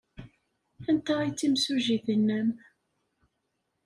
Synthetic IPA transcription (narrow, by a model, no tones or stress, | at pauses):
ænt̪ːait͡sːimsuʒiθənːæm